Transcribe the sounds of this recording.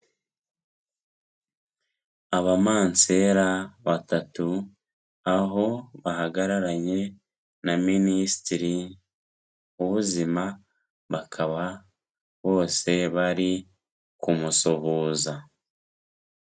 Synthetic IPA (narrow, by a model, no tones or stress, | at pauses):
aβamaːnt͡se̞ːɾaβatatu | aɦo̞βaɦaɡaɾaɾaɲe̞ | naminisi̥tiɾi | uβuzima | βakʰaβa | βo̞ːse̞βaɾi | kumusoβuːza